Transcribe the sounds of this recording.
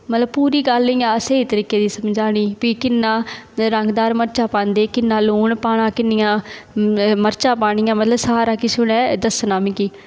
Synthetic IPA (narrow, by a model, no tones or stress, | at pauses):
mət̪ləb̚puːɾiːɡəlːiːãːseːiːt̪əɾiːkeːd̪iːsəmd͡ʒaːɽ̃iːpiːkɪnːãːɾəŋɡd̪aːɾməɾt͡ʃaːpãːnd̪eːkɪnːãːloːɳpaːɳ̃ãːkɪnːɪjãː | məɾt͡ʃãːpaːɽ̃ɪjãːmət̪ləbsaːɾaːkisʊɽɛːd̪əsnãːmĩkiː